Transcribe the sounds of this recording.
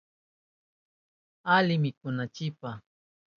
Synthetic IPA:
alɪmɪkʊnat͡ʃɪpa

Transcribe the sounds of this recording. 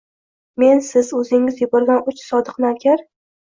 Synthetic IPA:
me̞nsɪzɵzɪŋɪzjʊbɒɾɡʲanʊt͡ʃsɒd̪ɨqnaɾkʲʰaɾ

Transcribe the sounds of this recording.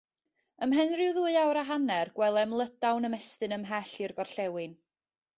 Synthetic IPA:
əmɦɛnrɪwðuːɨawɾaɦanɛrɡ̥wɛlˠɛmlˠəd̥awnəmɛstɨnəmɦɛɬɨrɡɔrɬɛwɨn

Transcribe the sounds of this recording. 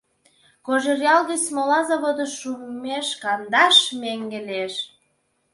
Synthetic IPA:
koʒerjɑlɣət͡smolɑzɑβod̪əʃummeʃkɑnd̪ɑʃmeŋɡeleʃ

